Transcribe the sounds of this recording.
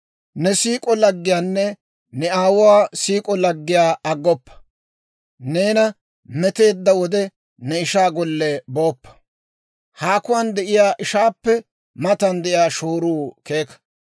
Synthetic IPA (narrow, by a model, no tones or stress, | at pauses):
nɛsiːkʼɔlɐɡːɪjaːnːɛ | nɛaːwʊwaːsiːkʼɔlɐɡːɪjaːɐɡːɔpːɐ̥ | ne̞ːnɐ | mɛt̪e̞ːd̪ːɐwɔd̪ɛ | nɛɪʃaːɡɔlːɛboːpːɐ̥ | haːkʊwand̪ɛʔɪjaːʔɪʃaːpːɛ | mɐt̪ɐnd̪ɛʔɪjaːʃoːɾuːke̞ːkɐ̥